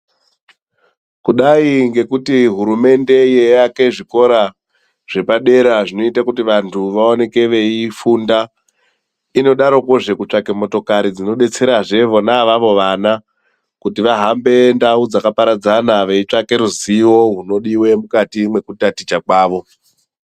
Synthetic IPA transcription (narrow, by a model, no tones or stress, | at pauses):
kuɗaiŋɡe̞kutiɦuɾume̞nde̞jejake̞ʐiko̞ɾa | ʐ̥e̞paɗe̞ɾaʐino̞itakutiʋantʰuʋao̞ne̞ke̞ʋe̞ifunda | ino̞ɗaɾo̞ko̞ʐe̞kut͡ʂake̞mo̞to̞kaɾid͡zino̞ɗe̞t͡se̞ɾaʐe̞ʋo̞naʋaʋo̞ʋana | kutiʋaɦambe̞ndaud͡zakapaɾad͡zanaʋe̞it͡ʂake̞ɾuziwo̞ɦuno̞ɗiwe̞mukatimwe̞kutatit͡ʃakwaːʋo̞